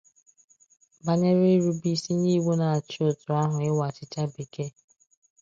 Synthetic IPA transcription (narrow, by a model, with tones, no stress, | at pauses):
ba˨ɲe˦ɾɪ˦ɾu˦bi˦˨si˦ɲi˦ɡ͡bu˦na˨a˨t͡ʃo˦˨tʊ˨a˦ɦʊ˨ɪ˦wa˨t͡ʃɪ˨t͡ʃa˦bi˨ke˦